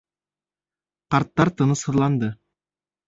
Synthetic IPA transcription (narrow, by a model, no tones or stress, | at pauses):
qɑɾt̪ːɑɾt̪ɤ̆nəshɤ̆ɾlˠɑnd̪ɤ